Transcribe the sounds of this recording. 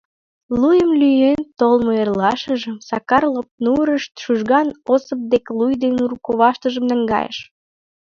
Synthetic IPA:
lujəmlyjent̪olmoerlɑʃəʒəmsɑkɑrlop̚nuɾəʃt̪ʃuʒɣɑnosəp̚d̪eklujd̪enuɾukoβɑʃt̪əʒəmnə̆ŋɡɑ̰jə̰ʃ

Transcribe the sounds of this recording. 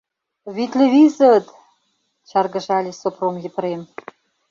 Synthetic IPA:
βit̪lʲeβizə̆t̪ | t͡ɕɑrɡə̆ʒɑlʲesopromjĕpə̆ɾem

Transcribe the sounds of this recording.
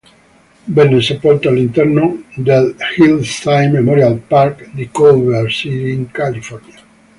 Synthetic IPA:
benesepolt̪oalint̪eɾnod̪elhilt̪ajmːemoɾjalpaɾkd̪ikoβeɾsiɾiiŋkalifoɾnja

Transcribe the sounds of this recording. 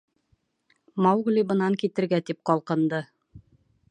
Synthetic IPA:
mɑwɡlʲibɤ̆nɑŋkit̪ɘ̆ɾɡæt̪ip̚qɒlˠqɤ̆nd̪ɤ

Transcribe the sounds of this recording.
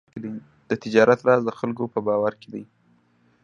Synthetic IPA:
kd̪aj | d̪̥ət̪ɪd͡ʒɑɾat̪ɾɑzd̪əxalkopəbɑwaɾked̪aj

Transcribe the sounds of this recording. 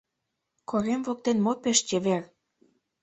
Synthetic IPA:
kʰoɾemvok̚t̪enmopeʃt͡ɕeβer

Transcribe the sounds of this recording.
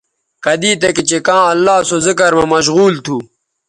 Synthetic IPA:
kɐd̪iːt̪ɐkit͡ɕekãːɐlːaːsozɪkɐɾmɐmɐɕ̬ɣuːlt̪ʰu

